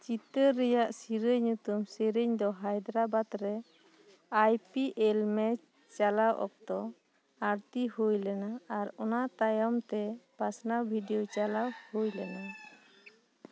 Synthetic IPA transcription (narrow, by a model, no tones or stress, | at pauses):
t͡ʃit̪əɾɛjaʔsiɾəɲːut̪umsiɾəɲd̪ɔɦajd̪ɾabat̪ɾɛ | ajpiʔɛlmɛ | t͡ʃalawʔɔ̰k̚t̪ɔ | aɾt̪ihujlɛnaːɾɔnat̪ajɔmt̪ɛb̥asnabʱiɖijɔt͡ʃalawhujlɛna